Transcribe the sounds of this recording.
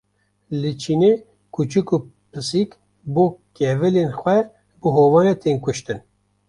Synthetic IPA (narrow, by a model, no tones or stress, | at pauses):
lɨt͡ʃʰiːne | kʰut͡ʃɨku | pʰɨsik | boːkɛvɨlenxʷɛ | bɨɦoːvɑːnɛt̪ʰeːnkʊʃt̪ɨn